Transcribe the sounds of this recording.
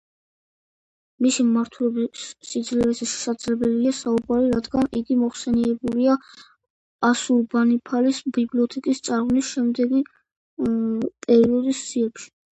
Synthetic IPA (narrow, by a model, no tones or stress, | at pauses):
misimmaɾt̪ʰulɔbisːid̪zlɛlɛsɛʃɛ̥sad̪zlɛbɛliasaubaɾiɾad̪ɡaniɡimɔχsɛniɛbulia | asulbanipʰalisbibliɔt̪ʰɛkʼist̪sʼaɾʁnisʃɛmd̪ɛɡi | pʼɛɾiɔd̪isːiɛpʃi̥